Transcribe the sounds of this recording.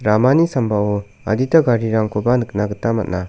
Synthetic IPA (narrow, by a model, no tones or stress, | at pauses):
ɾamanisambao | a̰ditaɡaɾiɾaŋkʰobanɯk̚naɡɯtːama̰t̚na